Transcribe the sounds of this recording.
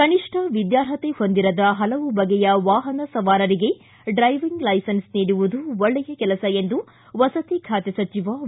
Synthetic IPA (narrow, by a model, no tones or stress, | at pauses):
kɐniʂʈʰɐʋid̪jaːɾɦɐt̪eho̞nd̪iɾɐd̪ɐɦɐlɐʋubɐɡɛjɐʋaːɦɐnɐsɐʋaːɾɐɾiɡe̞ | ɖɾɐjʋiŋɡlɐjsɐnsniːɽuʋud̪uɔɭːɛjɐkɛlɐsɐend̪u | ʋɐsɐt̪ikʰaːt̪esɐt͡ʃiʋɐ